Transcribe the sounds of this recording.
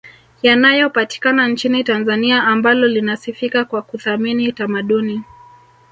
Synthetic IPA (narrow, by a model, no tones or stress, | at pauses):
janajɔpati̥kanant͡ʃinitanzaniaːmbalɔlinasifikakwakuθaminitamaɗuni